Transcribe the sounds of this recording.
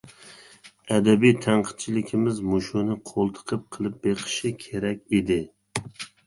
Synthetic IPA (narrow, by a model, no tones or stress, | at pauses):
æd̪ɛbijt̪ʰæɴqʰə̥t̪̚t͡ʃʰilɪkʲʰɪmɪzmuʃunɪqʰolˠt̪ʰə̥qʰɨp̚qʰəlˠɨp̚beqʰɨ̥ʃɪkʲʰeɾɛkʲid̪ɪ